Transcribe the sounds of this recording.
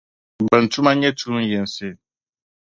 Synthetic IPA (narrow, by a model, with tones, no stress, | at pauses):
bɛ˨n̩˨tu˦ma˦ɲɛ˦tu˦m˦jɛ˨n˨sɪ˦˨